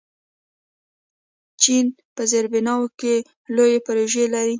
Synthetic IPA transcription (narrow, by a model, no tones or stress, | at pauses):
t͡ʃin | pəzeɾbɪnɑwoke | lojepaɾoʒelaɾi